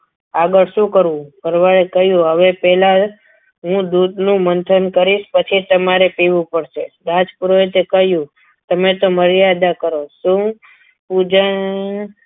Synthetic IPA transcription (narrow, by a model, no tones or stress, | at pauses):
aɡəɭʃũkəɾũbəɾʋaɭekəɦjũɦəʋepɛla | ɦũd̪ud̪nũmənt̪ʰənkəɾiʃpət͡ʃʰit̪əmaɾepiʋũpəɽʃed̪ad͡ʒpuɾoet̪ekəɦjũ | t̪əmet̪oməɾjad̪akəɾoʃũ | pud͡ʒən